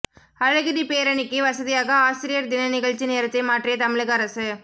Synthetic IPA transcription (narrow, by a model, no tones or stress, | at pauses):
ɐɻɐɣɪðipeːɾɐɳɪkːɯʋɐsɐðɪjaːɣɐaːsɪɾɪjɐɾd̪ɪnɐnɪɣɐɻt͡ʃineːɾɐt̪ːɐɪmaːʈrɪjɐt̪ɐmɪɻɯɣɐɐɾɐsɯ